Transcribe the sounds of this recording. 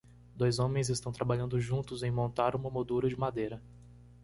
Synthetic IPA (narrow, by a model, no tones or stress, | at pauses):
d̪ojzõmẽj̃zɪst̪ɐ̃w̃t̪ɾabaʎɐ̃nd̪ʊʒũnt̪ʊzẽj̃mõnt̪aɾũmɐmod̪uɾɐd͡ʒɪmad̪ejɾɐ